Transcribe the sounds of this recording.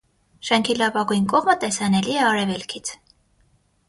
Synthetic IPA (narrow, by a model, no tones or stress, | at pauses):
ʃɛŋkʰilɑvɑɡujnkɔʁmət̪ɛsɑnɛliɛɑɾɛvɛlkʰit͡sʰ